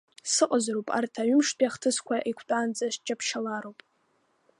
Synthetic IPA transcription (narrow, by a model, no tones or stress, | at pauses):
sɨqʼazrowpʼa̰rtʰaɥʏmʂpʰʼjaχtʰɨskʷʰaʔikʷʰt͡pʼand͡zaʃd͡ʒapʰʃalaɾowpʼ